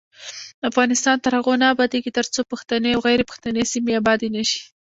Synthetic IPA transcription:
afɣɑnɪst̪ɑnt̪aɾhaɣonabɑd̪eɡit̪əɾt͡sopəxt̪aneawɣajɾepə̥xt̪anesimeabɑd̪enaʃi̥

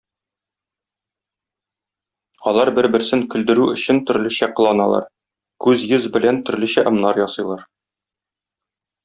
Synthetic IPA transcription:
ɒlˠɑɾbɘɾbɘ̆ɾsɘŋkɵ̆ld̪ɘ̆ɾʉɵ̆ɕɘnt̪ɵ̆ɾlɘ̆ɕæqɤ̆lˠɑnɑlˠɑ̰ɾ | kʉzjɘzbɘ̆lænt̪ɵ̆ɾlɘ̆ɕæʔɤ̆mnɑɾjɒsɤ̆jlˠɑɾ

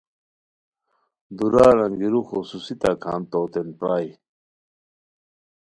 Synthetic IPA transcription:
d̪uɾaːɾaŋɡiɾuxosusit̪akʰa̰ːnt̪oːt̪enpɾaːj

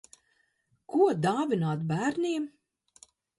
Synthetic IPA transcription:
kʰuɔd̪aːvinaːt̪bæːɾnʲiɛm

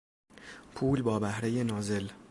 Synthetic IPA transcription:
pʰuːlbɒːbæhɾe̞jenɒːze̞l

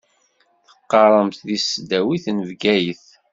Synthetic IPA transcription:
θə̥qːɑɾˤəmt̪ðisd̪æwiθnəvɡæjəθ

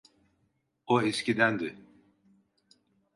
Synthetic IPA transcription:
oescid̪ænd̪ɪ

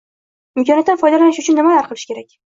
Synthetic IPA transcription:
ɪmkʰʲɒnat̪ːanfɒjd̪alanɪʃʊt͡ʃʰʊnːɪmajaɾqʰɨlˠɪʃkʲe̞ɾak̚ʲ

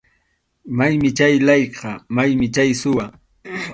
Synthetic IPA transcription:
majmɪt͡ʃajlɑjqʰɑmajmɪt͡ʃajsʊwa

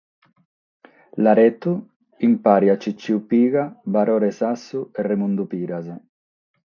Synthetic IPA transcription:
laɾɛt̪u | impaɾjat͡ʃːit͡ʃːiupiːɣabaɾɔɾɛsasːuɛrːemund̪upiːɾaze

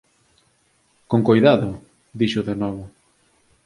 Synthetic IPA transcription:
koŋkojðaðʊ | ðiʃʊðenɔβʊ

